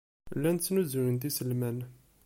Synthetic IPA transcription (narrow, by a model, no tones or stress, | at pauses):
lːænt͡sːnuzuɾənt̪̬isəlmæn